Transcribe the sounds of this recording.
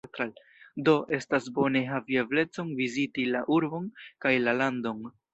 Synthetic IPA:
t̪ɾal | do̞ʔe̞stasbo̞ne̞ɦavieble̞t͡so̞ŋvizitilaʔuɾbo̞nkajlalando̞ŋ

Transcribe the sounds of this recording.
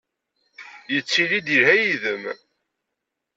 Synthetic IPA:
jət͡sːilid̪ihæjiðəm

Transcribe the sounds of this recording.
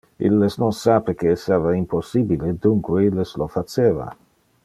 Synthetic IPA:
ḭlːesnonsaːpekeːsavaimposːibiled̪uŋkweilːeslofat͡ʃeːva̰

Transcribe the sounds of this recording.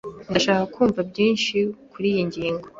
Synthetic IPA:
niaʃaːkakʰuːɱvabjiːnʃikuɾijiɲɟiːŋɡo

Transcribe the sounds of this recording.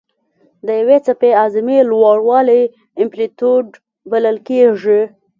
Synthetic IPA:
d̪əjawet͡sapeɑzɪmelwɑɽwɑle | ɪmplit̪oɖ | baləlkeʐi

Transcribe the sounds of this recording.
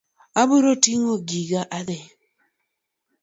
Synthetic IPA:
abuɾotiŋoɡiɡaʔaðe

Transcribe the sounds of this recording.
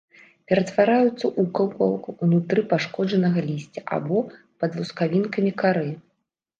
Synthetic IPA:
pʲɛɾɐt̪vaɾajut̪sːɐʔukɐwkɔwˠkuunut̪ɾɨpaʂkɔd͡ʐɐnɐɣɐlʲisʲt͡sʲɐʔa̰bɔ | pɐd̪vuskavʲinkɐmʲikaɾɨ

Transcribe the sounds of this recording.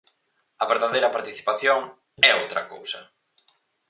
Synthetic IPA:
ɐβeɾðaðejɾɐpaɾt̪iθi̥paθjoŋ | ɛowt̪ɾɐko̰wsɐ

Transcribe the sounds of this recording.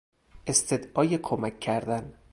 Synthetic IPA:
ʔe̞st̪ʰed̪ʔɒːjekʰomækʰːæɾd̪æn

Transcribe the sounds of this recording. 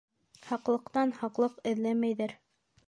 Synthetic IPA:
hɑqlˠɤ̆qt̪ɑnhɑqlˠɤqɘ̆ðlæmæjðæɾ

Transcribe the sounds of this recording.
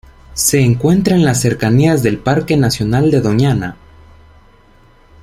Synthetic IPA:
se̞ːŋkwe̞nt̪ɾaenlasːe̞ɾkaniazðe̞lpaɾke̞nasjo̞nald̪e̞ðo̞ɲana

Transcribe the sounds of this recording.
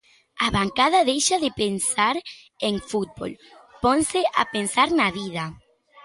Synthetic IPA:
aβaŋkaðaðejʃaðepensaɾ | eŋfut̪̚bo̰lponseʔa̰pensaɾnaβiða

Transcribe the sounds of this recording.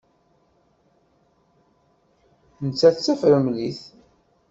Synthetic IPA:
nət͡sːæθt͡sːæfɾəmliθ

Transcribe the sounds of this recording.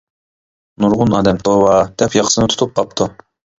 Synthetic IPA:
nuɾʁunɑːd̪ɛmt̪ʰoːwɑt̪ʰɛpjɑqsɨnɨt̪ʰt̪up̚qʰɑp̚t̪ʰu

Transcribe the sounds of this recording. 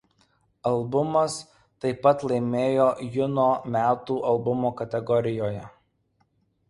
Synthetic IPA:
ɐlˠbʊmɐs | t̪ɐɪpɐt̪lˠɐɪmʲeːjoːjʊnoːmʲæːt̪uːʔɐlˠbʊmoːkɐt̪ʲɛɡɔɾʲɪjoːjɛ

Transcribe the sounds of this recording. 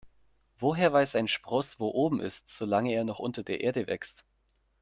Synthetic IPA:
voːɦeːɐvaɪsaɪnʃpʁ̥ɔsv̥oːʔoːbm̩ʔɪ̰stz̥oːlaŋəeːɐnɔχʔʊntɐdeːɐʔeːɐdəvɛ̰kst

